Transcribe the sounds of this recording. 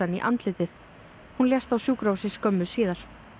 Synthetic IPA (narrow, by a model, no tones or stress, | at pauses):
aniʔa̰nt̪lɪt̪ɪθ | hunljɛst̪awsjuːkɾawsɪskœmːʏsiːðaɾ̥